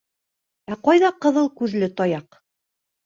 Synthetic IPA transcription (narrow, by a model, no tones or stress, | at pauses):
æqɑjðɑqɤ̆ðɤlˠkʉðlɘt̪ɒjɑq